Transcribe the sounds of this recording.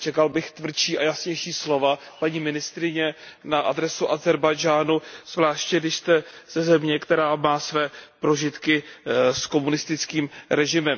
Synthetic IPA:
t͡ʃɛkalbɪxt̪vr̩t͡ʃiːʔajasɲɛjʃiːslo̞va | paɲiːmɪnɪst̪ɾɪɲɛ | naʔadɾɛsuʔazɛɾbajd͡ʒaːnuz̥vlaːʃcɛɡdɪʃst̪ɛz̥ɛzɛmɲɛkt̪ɛɾaːmaːsvɛːpɾo̞ʒɪt̪kɪsko̞munɪst̪ɪt͡skiːmɾɛʒɪmɛm

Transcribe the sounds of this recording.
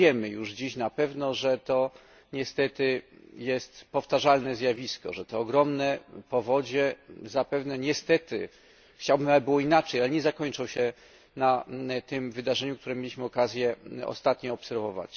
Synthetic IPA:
jɛmɘjuʐd͡ʑiɕnapɛvnɔʐɛt̪ɔ | ɲɛst̪ɛt̪ɘjɛst̪pɔft̪aʐalnɛzʲjavʲiskɔ̰ʐɛt̪ɛɔɡɾɔmnɛpɔvɔd͡ʑɛzapɛvnɛɲɛst̪ɛt̪ɘ̰ | xt͡ɕawbɘmaɛbɘwɔinat͡ʂɛjalɛɲɛzakɔɲt͡ʂɔwɕɛ | nat̪ɘmvɘd̪aʐɛɲukt̪uɾɛmʲelʲiɕmɘɔkazʲjɛɔ̰st̪at̪ɲɔɔpsɛɾvɔva̰t͡ɕ

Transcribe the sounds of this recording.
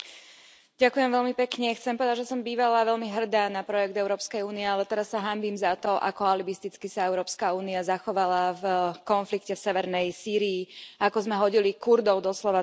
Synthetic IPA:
ɟakujɛmvɛʎmipɛkɲɛxt͡sɛmpɔʋɛd̪aɟʒɛsɔmbiːʋalaʋɛʎmiɦr̩d̪aːnapɾɔjɛɡd̪ɛʊɾɔːpskɛjuːniɛalɛt̪ɛɾasːaɦambimzat̪ɔʔa̰kɔalibist̪it͡skisaɛʊɾɔːpskauːniazaxɔʋalavkɔnflikcɛfsɛʋɛɾnɛjsiːɾiːakɔzmɛɦɔɟilikuɾd̪ɔʊd̪ɔslɔʋa

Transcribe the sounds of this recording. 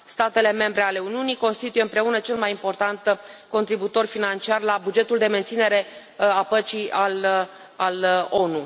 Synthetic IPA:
st̪at̪e̞le̞me̞mbɾe̞ale̞uniuniko̞nst̪it̪ujeɨmpɾe̞unət͡ʃe̞lmajimpo̞rt̪ant̪ko̞nt̪ɾibut̪o̞rʲfinant͡ʃiarlabud͡ʒe̞t̪uld̪e̞me̞nt̪sine̞ɾe̞ | apət͡ʃial | alo̞nu

